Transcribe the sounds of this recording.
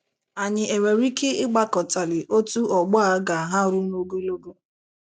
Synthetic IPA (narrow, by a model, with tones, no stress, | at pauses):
a˨ɲɪ˨e˨we˨ɾi˦ke˦ɪ˦ɡ͡ba˦kɔ˨ta˨lɪ˨ʔo˦tu˦ʔɔ˨ɡ͡bɔ˦a˦ɡa˨ɦa˦ɾʊ˦no˦ɡo˦lo˦ɡo˦